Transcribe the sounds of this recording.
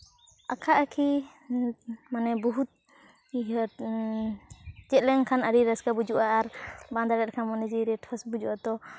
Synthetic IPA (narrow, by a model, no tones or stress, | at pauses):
akʰaʔakʰi | manɛbɔɦut̪̚ | d͡ʒɛʔ̪lɛŋkʰanəɾiɾaskabud͡ʒuʔaːɾband̪aɾɛt̪̚kʰanmɔnɛd͡ʒiɾɛʈhʰasbud͡ʒuʔat̪ɔ